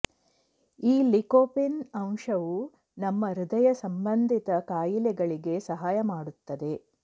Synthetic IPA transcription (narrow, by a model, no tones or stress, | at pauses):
iːlikoːpinɐmʂɐʋu | nɐmːɐɾud̪ɐjɐsɐmbɐnd̪ʱit̪ɐkaːjilɛɡɐɭiɡe̞sɐɦaːjɐmaːɽut̪ːɐd̪e̞